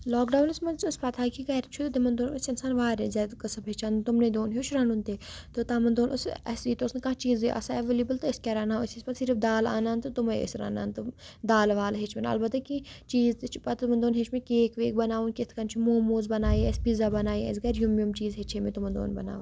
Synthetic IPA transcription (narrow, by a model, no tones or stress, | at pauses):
lɔːkɖaːwnɐsmɐnsʊspɐt̪ʰaːkiɡɐɾt͡ʃʰut̪d̪emɐnd̪oːnʊsɪnsaːnʋaːɾezɐd̪kɐsɐbɦet͡ʃʰant̪ʊmned̪oːnɦut͡ʃʰɾɐnunt̪eːt̪ot̪aːmɐnd̪oːnʔʊsɐ̰siːt̪oʊsnekãːt͡ʃiːzeʔɐ̰saeʋelibəlt̪oskʲɐɾanãʊsisʲpɐt̪siɾɨfd̪aːla̰ːnaːnt̪ɨt̪umɐḛsɾɐ̰ːna̰ːnt̪ud̪aːlʋaːlɦet͡ʃʰbɐna̰ɐ̰lbɐt̪ɐkĩt͡ʃiːzt̪t͡ʃʰi̥pɐt̪mɐnd̪oːnɦet͡ʃʰmẽkeːkʋeːk̚bɐnaːʋunkʲɪt̪ʰkɐnt͡ʃʰumoːmoːzbɐnaːiɛspizaːbɐnaːiɛ̰sɡɐɾjumjumt͡ʃiːzɦet͡ʃʰemẽt̪umɐnd̪o̰ːnbɐ̰na̰ːʋ